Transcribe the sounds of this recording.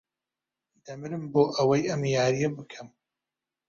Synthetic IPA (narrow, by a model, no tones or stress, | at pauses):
d̪ɐmɨɾɨmboːʔɐwɐjɐmjaːɾijɐbɨkʰɐm